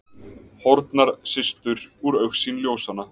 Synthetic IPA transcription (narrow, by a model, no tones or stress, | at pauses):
hɔɾt̪naɾ̥sɪst̪ʏɾuɾœɥxsinljoːwsanːa